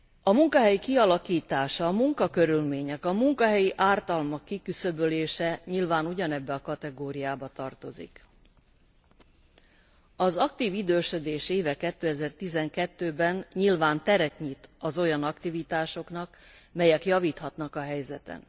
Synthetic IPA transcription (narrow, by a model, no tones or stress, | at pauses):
ɒmuŋkɒɦɛjikiɒlɒkiːt̪aːʃɒːmuŋkɒkø̞ɾylmeːɲɛkɒmuŋkɒɦɛjiʔaːrt̪ɒlmɒkːikysø̞bøleːʃɛɲilvaːnuɟɒnɛbːɛɒkɒt̪ɛɡoːɾijaːbɒt̪ɒrt̪o̞zḭk | ɒzɒkt̪iːvid̪øːʃø̞d̪eːʃeːvɛkɛt̪ːøːɛzɛrt̪izɛŋkɛt̪ːøːbɛnɲilvaːnt̪ɛɾɛt̪ɲit̪ɒzo̞jɒnɒkt̪ivit̪aːʃo̞kn̪ɒkmɛjɛkjɒviːt̪hɒt̪nɒkɒɦɛjzɛt̪ɛ̰n